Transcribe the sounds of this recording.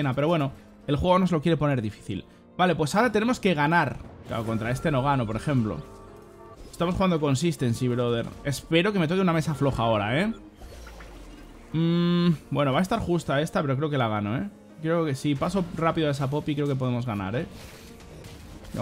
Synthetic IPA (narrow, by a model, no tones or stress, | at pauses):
napeɾowe̞no | e̞lxwe̞ɣ̞ono̞zlo̞kjee̞po̞ne̞ɾðifi̥θḭl | bale̞pwe̞sao̞ɾat̪ene̞mo̞ske̞ɣ̞anaɾkla̰oko̞nt̪ɾae̞st̪e̞no̞ɣ̞ano̞po̞ɾexe̞mplo̞̰ | e̥st̪amosxuɣand̪o̞ko̞ns̬ist̪e̞ːnsiβɾoðe̞ɾe̞spe̞ɾo̞ke̞me̞t̪o̞keuname̞saflo̞xaːo̞ɾae̞ | bwe̞no̞βaest̪aɾxust̪ae̞st̪ape̞ɾokɾe̞oke̞laɣ̞ano̞e̞̰ | kɾe̞okesipaso̞rapiðoae̞sap̬o̞pikɾeo̞kepo̞ðe̞mo̞zɣana̰ɾe̞ | n̰